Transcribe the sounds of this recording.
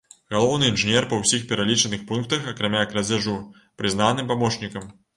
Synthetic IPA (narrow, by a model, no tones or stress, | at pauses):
ɣalˠɔwnɨinʐɨnʲɛrpɐwsʲixpʲɛɾalʲit͡ʂɐnɨxpunkt̪ɐxɐkɾamʲaːkɾɐd͡zʲaʐu | pɾɨzn̪anɨmpamɔʂnʲikɐm